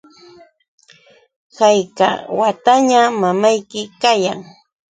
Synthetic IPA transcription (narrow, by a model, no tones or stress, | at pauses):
hajka̰wat̪aɲamamajkɪkajaŋ